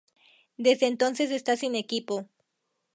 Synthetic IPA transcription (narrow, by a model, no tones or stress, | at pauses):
d̪e̞zðeːnt̪o̞nse̞s̬e̞st̪asine̞kipo̞